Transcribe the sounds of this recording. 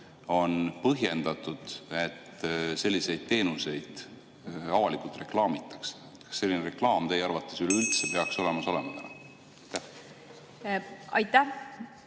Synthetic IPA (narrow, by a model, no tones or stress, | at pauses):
o̞npɤɦje̞nd̪̥ɑt̪ːˑud̪̥e̞t̪ːse̞lʲːise̞jd̪̥̚t̪e̞ːnuse̞jd̪̥ | ɑvɑlikult̪ˑre̞klɑːmit̪ːˑɑ̥ks | t̪kɑ̥sːe̞lːineɾe̞klɑːmt̪e̞jɑrvɑt̪ːˑe̞syleylt̪se̞pe̞ɑkso̞le̞mɑso̞lemɑt̪ænɑ | ɑjt̪ːæh | ɑjt̪ːæ